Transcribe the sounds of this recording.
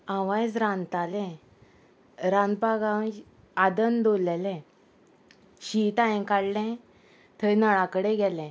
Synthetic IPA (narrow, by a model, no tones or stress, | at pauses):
aʋajd͡zɾãnt̪alɛ̃ | ɾãnd̪baɡãw | ad̪ənd̪olɛlɛ̃ | ɕit̪ajɛ̃kaɽlɛ̃ | t̪ʰənəɭakəɽeɡɛlɛ̃